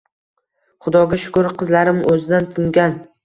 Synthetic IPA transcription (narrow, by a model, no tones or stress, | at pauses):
χʊd̪ɒɡʲaʃʊ̥kʊɾqʰɨzlaɾɪmʔɵzɪd̪ant̪ʰʊŋɡʲan